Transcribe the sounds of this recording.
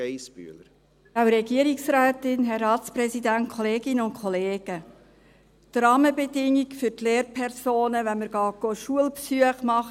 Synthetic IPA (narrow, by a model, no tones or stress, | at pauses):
eɪsby̰ləɾ | awɾɛɡiəɾiksɾæːtɪnɦɛɾɑːtspɾɛsidænt̚kʰɔleːɡɪnəʊnkχɔleːɡ̥ə | t̪ɾɑːməbɛdɪŋːikfʏɾtleːɾpʰɛɾsoːnəʋɛnməɾɡ̥ɑːɡ̥oʃuəlpsyəχmɑχ